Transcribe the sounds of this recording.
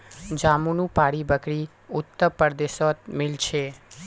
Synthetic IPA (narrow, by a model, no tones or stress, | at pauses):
d͡ʒamunũpaɽibəkɽi | ʊt̪ːəpəɾd̪eʃɔt̪̚mɪlt͡ʃʰe